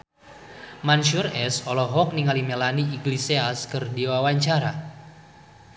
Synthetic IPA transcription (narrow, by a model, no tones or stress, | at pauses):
manʃurɛsɔlɔɦɔk̚niŋalimelaniːɡliseaskɨrdiwawaɲt͡ʃaɾa